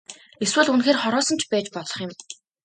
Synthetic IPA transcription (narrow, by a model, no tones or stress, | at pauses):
eswɘ̆ɮunxeːrχɔɾɔːsə̆nt͡ɕʰpæːt͡ɕpɔɮɞ̆χjɪ̆m